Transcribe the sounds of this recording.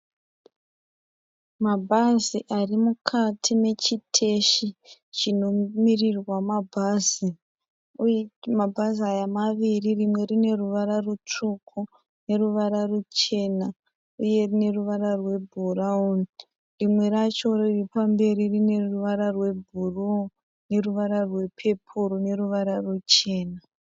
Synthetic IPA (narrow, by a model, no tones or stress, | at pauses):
mabʱaziʔarimukʰatʰine̞t͡ʃitʰe̞ʃit͡ʃino̞mirirwamabʱazi | mabʱaziajamaʋiririmwe̞rine̞ruʋaɾarut͡ʂukʰu | ne̞ruʋaɾarut͡ʃe̞na | uje̞rine̞ruʋararwe̞bʱurauni | rimwe̞ɾat͡ʃo̞riripambe̞ɾirine̞ruʋaɾarwe̞bʱuru | ne̞ruʋaɾarwe̞pʰe̞pʰuɾone̞ruʋaɾarut͡ʃe̞ːna